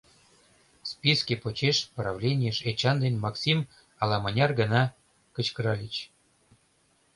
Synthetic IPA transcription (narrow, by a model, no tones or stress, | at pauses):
spʲiskʲepot͡ɕeʃprɑvlʲenʲijeʃet͡ɕɑnd̪enʲmɑksʲim | ɑlɑmɤnʲɑrɡə̆nɑ | kə̆t͡ɕkəɾɑlʲit͡ɕ